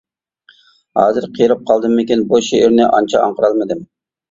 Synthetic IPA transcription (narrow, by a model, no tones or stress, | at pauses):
hɑ̰ːzɨɾqʰijɾɨp̚qʰɑlˠd̪ɨmːɪkʲinbuʃeɪɾnɪʔɑnt͡ʃʰɑɑ̰ŋqəɾɑlˠmɨd̪ɪm